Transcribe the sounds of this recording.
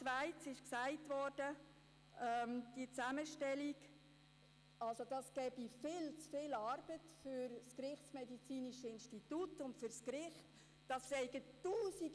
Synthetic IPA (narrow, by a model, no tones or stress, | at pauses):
vaɪt͡sɪʃksæɪtʋɔrd̥ə | ɛmd̥iət͡sæməʃtɛliɡ | ɑlsod̥ɑsɡ̥ɛːb̥ifɪːlt͡sfɪːlɑrb̥ətfyɾskɾɪχtt͡smɛdit͡siːniʃəɪnʃtitutʊntfʏrskɾɪχt | d̥ɑsːɛɪɡətuːsiɡ